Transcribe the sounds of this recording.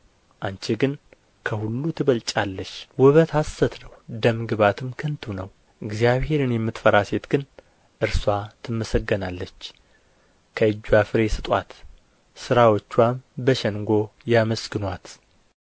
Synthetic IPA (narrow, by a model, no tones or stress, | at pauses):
ʔant͡ʃɛɡɨn | kʰəhulːut̪ʰɨβəlt͡ʃʼalːəʃwɔβət̪hasːət̪nəwd̪əmɡɨβat̪ʰɨmkʰɨnt̪ʰunəw | ʔɨɡzijaβhe̞ɾɨnjɛmːɨt̪fəɾaset̪ɡ̥ɨn | ʔɨɾswat̪ʰɨmːəsəɡːənalːət͡ʃː | kʰəɨd͡ʒːuafɨɾe̞sɨt̪ʼwa̰t̪ | sɨɾawot͡ʃːwambəʃɛŋɡo̞jaməsɡɨnwat̪